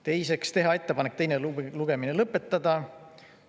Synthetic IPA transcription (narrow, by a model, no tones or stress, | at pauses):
t̪e̞jse̞kst̪e̞ɦɑe̞t̪ːe̞pɑnek̚ːt̪e̞jnelluɡ̥e̞mine̞lɤpːˑe̞t̪ːɑd̪̥ɑ